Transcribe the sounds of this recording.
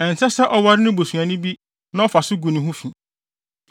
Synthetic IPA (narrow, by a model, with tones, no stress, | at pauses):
ɛ˨n̩˨sɛ˦sɛ˦ʔɔ˦wa˦ɾɪ˦nʊ̃˦bo˨su˨ã˨nʊ̃˦bi˦ | nã˦ɔ˦fa˨sʊ˦ɡu˨nĩ˨ɦʊ̃˦fĩ˨